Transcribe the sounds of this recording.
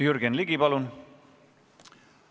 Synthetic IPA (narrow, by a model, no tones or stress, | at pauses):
jyɾɡ̥enliɡ̥ipɑlun